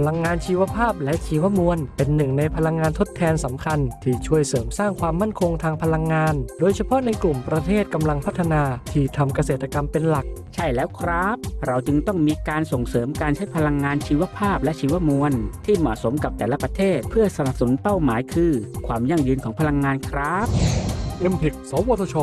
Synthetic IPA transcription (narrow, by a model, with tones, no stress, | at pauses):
pʰa˧la˧ŋːaː˧nt͡ɕʰiː˧wa˧˥pʰaː˥˩p̚lɛ˦˥ʔt͡ɕʰiː˧wa˦˥mu˧ənpe˧nːɯ˨˩ŋna˧jpʰa˧la˧ŋːaː˧nt̪ʰo˦˥t̪ʰːɛː˧nsa˩˦mkʰa˧nt̪ʰiː˥˩t͡ɕʰu˥˩əjsɤː˩˦msaː˥˩ŋkʰwaː˧mːa˥˩nkʰo˧ŋt̪ʰaː˧ŋpʰa˧la˧ŋːaː˧ndoː˧jt͡ɕʰa˧pʰɔ˦˥na˧jklu˨˩mpɾa˧t̪ʰeː˥˩t̪̚ka˧mla˧ŋpʰa˦˥t̪ʰːa˧naː˧t̪ʰiː˥˩t̪ʰa˧mka˧seː˨˩t̪ːa˧ka˧mpe˧nla˨˩k̚t͡ɕʰa˥˩jlɛː˦˥wkʰɾaː˦˥p̚ɾa˧wt͡ɕɯ˧ŋt̪ɔ˥˩ŋmiː˧kaː˧nso˨˩ŋsɤː˩˦mkaː˧nt͡ɕʰa˦˥jpʰa˧la˧ŋːaː˧nt͡ɕʰiː˧wa˧˥pʰaː˥˩p̚lɛ˦˥ʔt͡ɕʰiː˧wa˧˥mu˧ənt̪ʰiː˥˩mɔ̰˨˩so˩˦mka˨˩p̚t̪ɛː˨˩la˧˥pɾa˧t̪ʰeː˥˩t̪̚pʰɯ˥˩ɐsa˧na˨˩p̚sa˨nu˩˦npa˥˩wmaː˩˦jkʰɯː˧kʰwaː˧mja˥˩ŋjɯː˧nkʰɔː˩˦ŋpʰla˧ŋːaː˧nkʰɾaː˦˥p̚ʔe˧mpʰi˨˩k̚sɔː˨˦woː˧t̪ʰo˧t͡ɕʰo˧